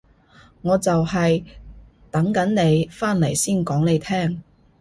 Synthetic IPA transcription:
ŋɔː˨˧t͡sɐ˨whɐ˨j | t̪ɐ˨˥ŋkɐ˨˥nne˨˧jfaː˥nle˨˩jsiː˥˩nkɔː˨˥ŋne˨˧jt̪ʰɛː˥˩ŋ

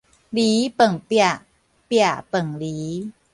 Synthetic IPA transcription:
liː˨˦pə˨˩ŋpi˧˨˩a˨˩ | pi˧˩a˨˩pɤ˨˩ŋliː˨˦

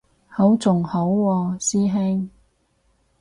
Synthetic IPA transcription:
ho˨˥wt͡sʊ˨ŋho˨˥wːɔː˧siː˥ɦe˥ŋ

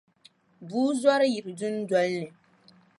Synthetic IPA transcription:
buː˦zɔ˦ɾɨ˦ji˨ɾɨ˨dʊ˦n˦dɔ˦lnɨ˨

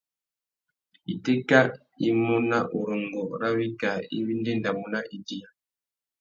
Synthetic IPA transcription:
i˨te˦ka˦ | i˦mu˦na˦ʔu˨ɾo˨ŋɡɔ˨ɾa˦βi˦ka˨ḭ˦βi˦nde˦nda˨mu˦na˦ʔi˨di˦a˨

